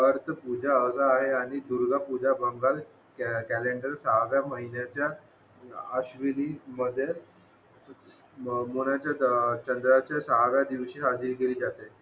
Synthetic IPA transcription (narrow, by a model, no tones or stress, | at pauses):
ʋəɾt̪əpud͡ʑʱaəd͡zaːɦeaɽ̃id̪uɾɡʱapud͡ʑabəŋɡal | kæleɳɖəɾsaɦaʋjaməɦinjat͡ɕja | əɕʋiliməd̪ʱːje | monat͡ɕjat͡ɕənd̪ɾat͡ɕjasaɦaʋjad̪iʋɕiːɦad͡ziːɾkeliːd͡zat̪e